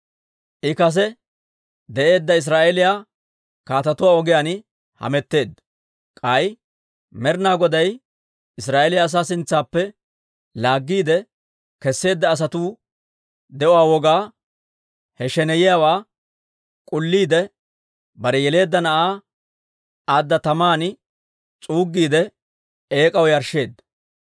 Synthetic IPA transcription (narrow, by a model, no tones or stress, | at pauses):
ʔɪkɐs̬ɛ | d̪ɛʔe̞ːd̪ːɐɪs̬ɾaːʔɛlɪjaː | kaːt̪ɐt̪ʊwaːɔɡɪjanɪ | hɐ̰mɛt̪ːe̞ːd̪ | kʼɐj | mɛɾnaːɡɔd̪ɐj | ɪsɾaːʔelɪjaːs̬aːsɪnt͡sːaːpːɛ | laːɡːiːd̪ɛ | kɛsːe̞ːd̪ːɐːs̬ɐt̪uː | d̪ɛʔʊwaːwɔɡaː | hɛʃɛnɛjɪjawaː | kʼʊlːiːd̪ɛ | bɐɾɛjɛle̞ːd̪ːɐnɐʔaː | aːd̪ːɐt̪ɐmaːnɪ | t͡sʼuːɡːiːd̪ɛ | e̞ːkʼɐwjɐɾʃe̞ːd̪ːɐ